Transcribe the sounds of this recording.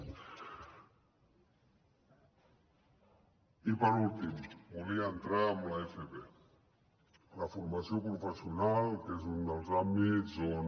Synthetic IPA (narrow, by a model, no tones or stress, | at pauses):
ipəɾult̪imbuliaːnt̪ɾaːmlaefeβe | lafuɾmasjopɾufəsiunalkezund̪əlˠzambion